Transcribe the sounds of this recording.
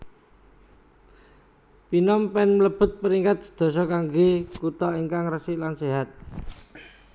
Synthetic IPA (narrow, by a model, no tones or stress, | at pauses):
pinɔmpɛnmləb̥ʊ̤t̪̚pəɾiŋkat̪̚d̪̥i̤̥d̪̥ɔ̤s̬ɔkaŋɡekut̪ɔiŋkaŋrəsiʔlanseɦat̪̚